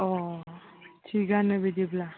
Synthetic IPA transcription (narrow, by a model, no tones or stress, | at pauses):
ɔ | t͡ʃʰiɡanəbid̪ibla